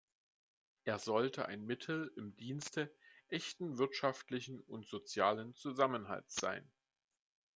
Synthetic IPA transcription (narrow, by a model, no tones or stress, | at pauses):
ʔeːɐzɔltʰəʔa̰ɪnmɪtʰl̩ɪmdiːnstəʔɛçtn̩vɪɐtʃaftlɪçn̩ʊntz̥ot͡sjaːlənt͡suzamənɦa̰ltz̥a̰ɪn